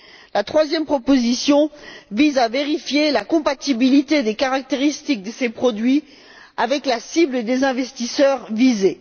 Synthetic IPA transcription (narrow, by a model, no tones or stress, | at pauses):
lat̪χwazjɛmpχɔpozisjɔ̃vizaveʁifjelakɔ̃pat̪ibilit̪ed̪ekaʁak̚t̪eʁist̪ik̚d̪əsepχɔd̪ɥi | avɛklasibləd̪ezɛ̃vɛst̪isœʁvize